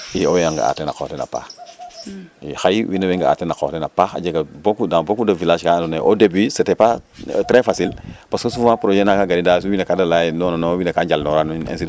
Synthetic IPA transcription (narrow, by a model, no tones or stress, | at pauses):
iojjaŋɡa̰a̰ːtena̰ko̰tena̰pa̰x | ixajwinɐweŋɡaa̰ːtenako̰tenapaxa̰d͡ʒeɡabokudãbokudavilaːʃkandoneʔodebisetepatɾefasilpaskosufmãpɾoʒenakaɡanidasuwinakadalajndɔnanowinɐkaɲɟalnoɾanuḛns̬i